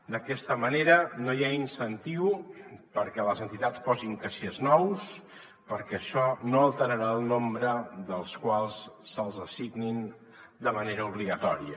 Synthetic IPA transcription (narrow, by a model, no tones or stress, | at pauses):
d̪əkɛst̪əməneɾənojainsənt̪iwpəɾkɛləzənt̪it̪at͡spɔziŋkəʃeznɔws | pəɾkɛːʃɔnoəlˠt̪əɾəɾaːlˠnombɾəðəlˠskwalˠsːəlˠzəsiɣnin | d̪əməneɾəuβliɣət̪ɔɾiə̰